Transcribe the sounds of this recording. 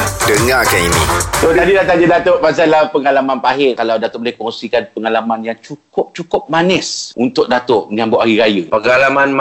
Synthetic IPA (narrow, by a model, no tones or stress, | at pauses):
dəŋakaninḭ̃t̪oht̪adilat̪aɲədat̪oʔpas̬alahpəŋalamãnpaɦɪkalawdat̪ʊʔ̚blehkoŋsikanpəŋalamanjaŋt͡ʃukʊp̚t͡ʃukʊp̚manɪsʔunt̪ʊk̚dat̪ʊʔməɲãmbʊʔaɾiɾajəpəŋalamanm